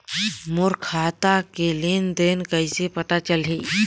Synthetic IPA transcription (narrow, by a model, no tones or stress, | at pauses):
mʊɾkʰaːt̪akelend̪eːnkəisepət̪at͡ʃəlɦe